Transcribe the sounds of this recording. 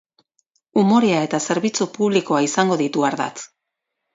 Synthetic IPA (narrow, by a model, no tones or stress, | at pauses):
umo̞ɾeae̞t̪ase̞ɾβit͡supuβliko̞aisaŋɡo̞ðit̪uaɾða̰t͡s